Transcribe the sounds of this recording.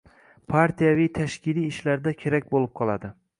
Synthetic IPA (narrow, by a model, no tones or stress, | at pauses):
pʰaɾt̪ʰijavijt̪ʰaʃkʲɪlijːʃlaɾd̪akʲʰe̞ɾak̚ʲbolɪp̚qʰɒlˠa̰d̪ɪ